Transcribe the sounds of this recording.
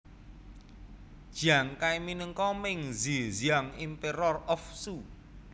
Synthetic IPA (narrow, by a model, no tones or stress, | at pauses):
d̥ʒ̥aŋkajminəŋkɔmɪŋziziaŋimpeɾɔrɔfsu